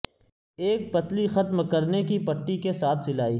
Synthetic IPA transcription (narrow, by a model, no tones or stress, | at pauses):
eːk̚pɐt̪lixɐt̪mkəɾnekipɐʈːikesaːt̪ʰsɪlaːḭː